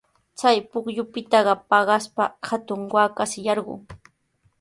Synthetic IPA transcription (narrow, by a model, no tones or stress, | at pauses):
t͡sajpʊkʎʊpɪt̪ɑɢɑpɑɢɑspa̰hat̪ʊŋwaːkasɪjɑɾɢʊ̰ŋ